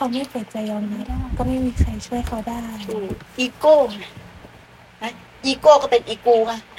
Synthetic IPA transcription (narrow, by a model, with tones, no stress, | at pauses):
kʰa˧wma˥˩jfa˨˦t͡ɕa˧jʔɔː˧ŋnaː˧˦daː˥˩˨kɔː˥˩ma˥˩jmiː˧kʰa˧jt͡ɕʰu˥˩əjkʰa˧wdaː˥˩jʔiː˧koː˥˩˨na˧˩ | a˦ | ʔiː˧koː˥˧˨kɔː˥˩pe˧nʔiː˧kuː˧ŋa˧˩